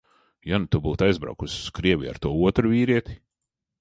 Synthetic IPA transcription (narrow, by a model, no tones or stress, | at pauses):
janut̪ubuːt̪ajzbɾa̰wkusʲkɾiɛvʲḭa̰ɾt̪uɔuɔt̪ɾuvʲiːɾiɛt̪ʲi̥